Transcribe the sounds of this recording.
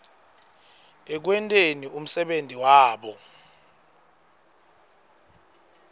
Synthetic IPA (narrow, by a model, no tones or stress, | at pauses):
ɛk̬wɛntʼenium̩sɛɓentʼiwaːɓɔ